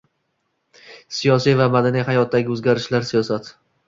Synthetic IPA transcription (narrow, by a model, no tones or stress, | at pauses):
sijɒsijvamad̪anijhajɒt̪̚d̪ːaɡʲɪɵzɡʲaɾɪʃlaɾsijɒsat̪